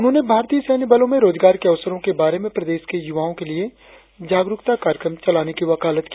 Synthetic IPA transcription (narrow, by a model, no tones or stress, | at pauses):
ʊnɦõːnebʱaːɾt̪iːəsɛːnibaːlõmẽɾoːd͡ʒɡaːɾkeɐʋsəɾõkebaːɾemẽpɾɐd̪eːʃkejʊʋaːõkelie | d͡ʒaːɡɾʊkt̪akaːɾjkɾə̃mt͡ʃɐlaːnekiʋɐkaːlət̪kiː